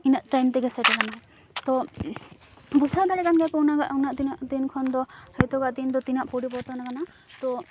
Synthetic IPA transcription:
inaʔʈajmt̪ɛɡɛsɛʈɛkana | t̪ɔ | busad̪aɽɛkanɡajkɔwnaɡaʔawnaʔt̪inaʔd̪inkʰɔnd̪ɔhajt̪ɔɡaʔd̪ind̪ɔt̪inaʔpɔɽipɔɾt̪ɔnakana | t̪ɔ

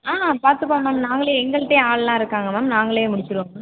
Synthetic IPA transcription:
aːpaːɾt̪ɯpaːmːaːmnaːŋɡɐɭejɛŋɡɐɭɯʈːẽːaːɭɐlãːɪɾɯkːaːŋɡɐmaːmnaːŋɡɐɭejeːmʊɽɪt͡ʃːɪɾõː

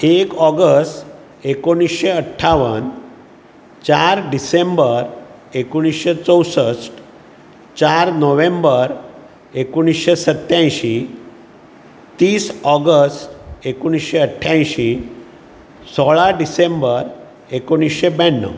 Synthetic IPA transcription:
ekɔɡəsʈ | ekoɽ̃isɕeəʈʰːaʋən | t͡ɕaɾɖisembəɾ | ekoɽ̃isɕet͡səwsəsʈ | t͡ɕaɾnɔʋẽmbəɾ | ekuɽ̃isɕesət̪jãjɕĩ | t̪iːsɔɡəsʈekoɽ̃isɕeəʈʰːjãjɕi | sɔɭaɖisembəɾ | ekoɽ̃isɕebɛnːə̰

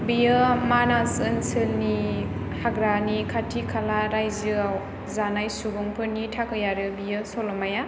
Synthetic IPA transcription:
bijɯmanasɯnsɯlni | haɡɾanikʰatʰikʰalaɾajzɯaw | zanajsubuŋpʰɯɾnitʰakɯjaɾɯbijɯsɔlɔmaja

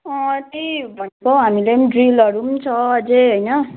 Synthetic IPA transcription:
ʌ̃t̪ibʱʌnekoɦamileniɖrilʌɾumt͡sʰʌːd͡zeɦojnʌ

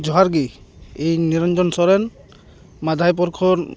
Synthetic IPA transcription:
d͡ʒɔɦaɾɡi | ejniɾɔnd͡ʒɔnsɔɾɛn | mad̪ʱajp̬ɔɾkʰɔ

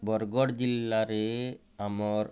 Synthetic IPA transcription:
bɔɾɡɔɽd͡ʑilːaɾe | amɔɾ

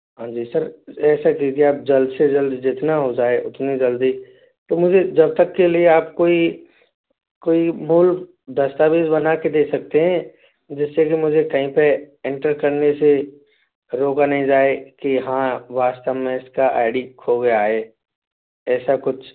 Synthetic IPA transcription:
ɦãːd͡ʒiːsɐɾɛːsakit̪ʰiaːp̚d͡ʒɐld̪sed͡ʒɐld̪d͡ʒɪt̪naɦod͡ʒaːeʔʊt̪nid͡ʒɐld̪iː | t̪omʊd͡ʒʱed͡ʒɐb̚t̪əkːelieaːp̚koːi | koːimuːlk | d̪ɐst̪aːbiːzbɐnaked̪eːksɐk̚t̪eɦɛ̃ | d͡ʒɪsːekimʊd͡ʒʱekɐɦĩpeɛ̃ɳʈəɾkɐɾnese | ɾoːkanɐɦĩd͡ʒaːekiɦãʋaːst̪əʋmẽɪskaʔa̰ːɪɖikʰoɡɐjaːɦeː | ɛːsakʊt͡ʃʰ

